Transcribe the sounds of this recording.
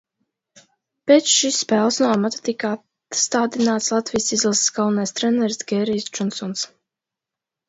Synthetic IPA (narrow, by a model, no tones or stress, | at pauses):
pet̪sʃisːpɛːlˠsnuɔamat̪ḁt̪ikat̪ | st̪aːd̪inaːt̪slˠat̪vijsizilˠssɡalnajst̪ɾɛnɛɾsd̪ɡʲɛɾijsd͡ʒɔnsɔns